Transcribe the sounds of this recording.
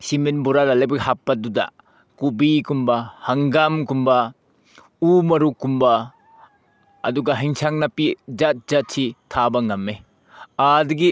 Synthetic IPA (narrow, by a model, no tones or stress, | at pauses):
siminbuɾaɾalɐjbɐɡiɦapːɐdudɐ̰ | kubikumbɐhɐŋɡamkumbɐ | umɐɾukumbɐ | ɐ̰duɡɐɦiŋsaŋnɐpid͡ʒat̚zat̚sʰitʰabɐŋɐmːe | adɐɡi